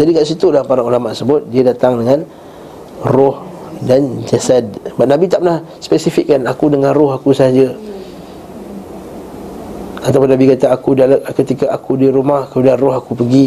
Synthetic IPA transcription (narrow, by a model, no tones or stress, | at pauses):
d͡ʒadikaʔsit̪ulahpaɾaulamaʔ̪əsəbʊt̪̚diadat̪aŋdəŋãn | rɔhdand͡ʒasad̚baʔ̚nabit̪aʔpənah | spɛsifikːanakudəŋãnrɔɦakusəɦad͡ʒə | at̪awp̬ʊnabikat̪aakudalkət̪ikaʔakudiɾumahkəmudianrɔɦakupəɡi